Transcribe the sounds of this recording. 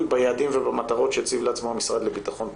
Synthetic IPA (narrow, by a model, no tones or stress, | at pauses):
lbajaːd̪imvebamat̪aʁo̞tʃet͡sivleat͡smohamisʁad̪lebit̪aχo̞n